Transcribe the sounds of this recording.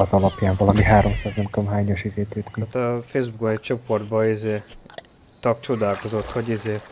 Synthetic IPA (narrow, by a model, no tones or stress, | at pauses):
ɒzɒlɒpjaːɱvɒlɒmiɦaːɾo̞msaːznɛmt̪oomɦaːɲoʃizeːt̪øːt̪kiat̪ɒfeːzbukɒit͡ʃo̞po̞rd̪̚bɒizeː | t̪ɒk̚t͡ʃo̞d̪aːlko̞zo̞t̪ho̞ɟizeː